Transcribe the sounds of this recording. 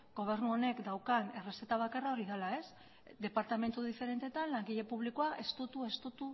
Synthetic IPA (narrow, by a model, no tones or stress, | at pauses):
ɡo̞β̞e̞ɾnuo̞ne̞kd̪awkane̞re̞set̪aβ̞akarao̞ɾiðalae̞s | d̪e̞paɾt̪ame̞nt̪uðife̞ɾe̞nt̪et̪anlaŋɡiʎe̞puβ̞likoaʔe̞st̪ut̪ue̞st̪ut̪u